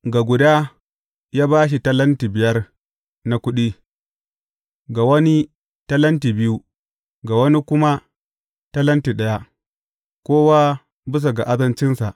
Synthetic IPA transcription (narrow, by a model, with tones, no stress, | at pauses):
ɡa˨ɡʷʊ˨daː˦ | jaː˦baː˦ʃ̬i˨tɐ˦lɐ˦ntiː˨bɪ˨jɐ˦r | na˨kʷʊ˦ɗiː˦ | ɡa˨wɐ˦ni˦ | tɐ˦lɐ˦ntiː˨bɪ˦ju˦ | ɡa˨wɐ˦ni˦kʷʊ˦ma˦ | tɐ˦lɐ˦ntiː˨ɗɐ˦ja˦ | kʷoː˦waː˦ | bɪ˦s̬a˨ɡa˨ʔa˦zɐ˦nt͡ʃɪ˦nsa˨ʔ